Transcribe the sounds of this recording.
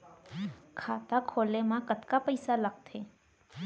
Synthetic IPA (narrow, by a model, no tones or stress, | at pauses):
kʰaːt̪akʰoːlemãkət̪kapəɪsaləɡ̚t̪ɦeː